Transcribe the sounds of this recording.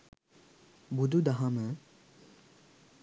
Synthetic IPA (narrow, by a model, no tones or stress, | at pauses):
bud̪ʱud̪aɦamə